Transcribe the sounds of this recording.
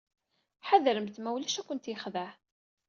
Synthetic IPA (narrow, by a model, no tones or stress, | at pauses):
ħaðɾəmt̪mæwlæʃækʷənt̪jəχðæħ